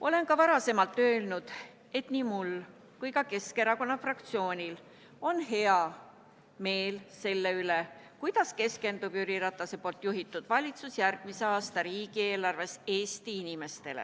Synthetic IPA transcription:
ʔo̞le̞nkɑvɑɾɑse̞mɑlt̪ːˑø̞ːlnud̪̥ | e̞t̪nimul | kujkɑke̞ske̞ɾɑko̞nːɑfrɑk̚t̪sio̞ːnʲil | o̞nhe̞ɑ | me̞ːlse̞lːeyle̞kujd̪̥ɑske̞ske̞nd̪ub̥yɾiɾɑt̪ːˑɑse̞po̞ːlt̪ːˑjuɦit̪ːˑud̪̥vɑlʲit̪susjærɡ̥̚miseɑːst̪ɑɾiːɡ̥ie̞ːlɑrve̞se̞ːst̪iinʲime̞st̪e̞lḛ

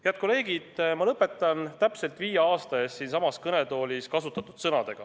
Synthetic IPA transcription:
heæɑd̪̥̚ko̞le̞ːɡid̪̥mɑlɤpːˑe̞t̪ːˑɑnt̪æpse̞lt̪ˑviːjeɑːst̪ɑeːst̪siːnsɑmɑskɤne̞t̪o̞ːlʲiskɑsut̪ːˑɑt̪ːud̪̥sɤnɑd̪̥e̞ɡ̥ɑ

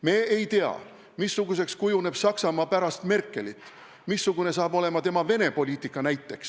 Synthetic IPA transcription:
me̞ːejt̪eɑ̰ | misːuɡuse̞kskujune̞b̥sɑksɑmɑːpæɾɑst̪me̞rkːˑelit̪ːˑ | misːuɡ̥une̞sɑːbo̞le̞mɑt̪e̞mɑve̞ne̞po̞lʲiːt̪ˑikːˑɑnæjt̪ːˑe̞ks

